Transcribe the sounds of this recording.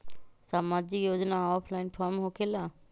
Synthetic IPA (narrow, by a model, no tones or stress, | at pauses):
saːmaːd͡ʒɪkjoːd͡ʒnaɔːpʰlaɪnpʰaɾmɦokʰela